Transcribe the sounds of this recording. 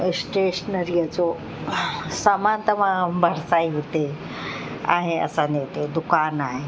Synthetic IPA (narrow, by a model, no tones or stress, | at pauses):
sʈeɕənəɾijat͡so | samant̪əʋ̤ãbʱəɾsaiɦot̪e | a̰ɦeə̰sanewt̪ed̪ukanaɦe